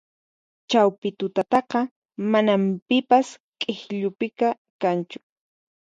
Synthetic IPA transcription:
t͡ʃawpɪt̪ʊt̪at̪ɑqɑ | manampɪpaskʼeχʎʊpɪka | kant͡ʃʊ̥

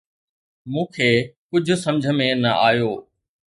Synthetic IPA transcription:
mũːkʰeːkʊd͡ʑʱʊ̆sɐ̃md͡ʑʱə̆mẽnɐʔaːjoː

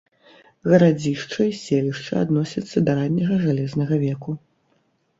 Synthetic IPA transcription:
ɣɐɾad͡zʲiʂt͡ʂɐisʲelʲiʂt͡ʂɐ̰a̰d̪nɔsʲɐt̪sːɐd̪ɐɾanʲːɐɣɐʐalʲɛznɐɣɐvʲɛku

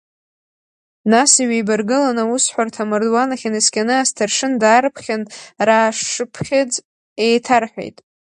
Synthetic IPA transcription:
nasiɥijbarɡɨlanausħʷartʰamɨrdwanaχʲanɨskʲanɨastʰarʂɨndaːrpʰχʲanraːʂɨpʰχʲɪt͡sʼ | ejtʰarħʷᶣḛjtʼ

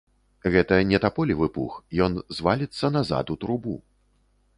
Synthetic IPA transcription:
ɣɛt̪ɐnʲɛt̪apɔlʲivɨpṵxjɔnzvalʲit̪sːɐnaza̰t̪ut̪ɾubṵ

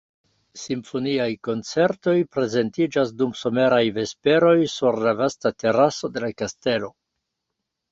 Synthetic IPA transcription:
simfo̞niajko̞nt͡se̞ɾto̞jpɾe̞ze̞ntid͡ʒasdumso̞me̞ɾajve̞spe̞ɾo̞jsuɾlavastate̞ɾaso̞de̞lakaste̞lo̞

